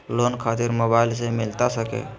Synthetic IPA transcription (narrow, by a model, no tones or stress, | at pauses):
lonkʰat̪iɾmobaɪlsemɪlt̪asəkḛ